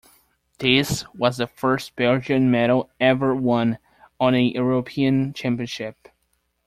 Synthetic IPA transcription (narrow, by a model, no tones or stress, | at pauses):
ðɪswʌzðɨfɜ˞st̚b̥ɛlˠd͡ʒɨ̃nmɛɾl̩ˠɛvə˞wʌ̃n | ə̃nɨjə˞opʰiɨ̃nt͡ʃʰæ̃mpiɨ̃nʃɪp̚